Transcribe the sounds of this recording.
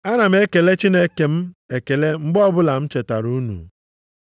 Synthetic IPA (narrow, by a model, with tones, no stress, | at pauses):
a˦na˨m̩˦e˦ke˨le˦t͡ʃi˦ne˦ke˨m̩˦e˨ke˨le˦ŋ͡m̩˦ɡ͡bɔ˦bʊ˦la˨m̩˦t͡ʃe˨ta̰˨ɾu˦nṵ˨